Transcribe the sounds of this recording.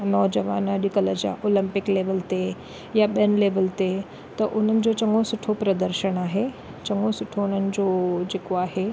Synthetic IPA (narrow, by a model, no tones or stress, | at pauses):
nɔːd͡ʑəʋa̰ːnɗɪkələd͡ʑa̰ʔoːlɪ̃mpɪkleːʋəlt̪e | jaɓiənɪleːʋəlt̪e | t̪ɐʔʊn̤ənɪ̆d͡ʑot͡ɕɐŋɡosʊʈʰopɾɐd̪əɾʃəɽ̃aːɦe | t͡ɕɐŋɡosʊʈʰoʊn̤ənɪ̆d͡ʑoːd͡ʑeːkoaːɦe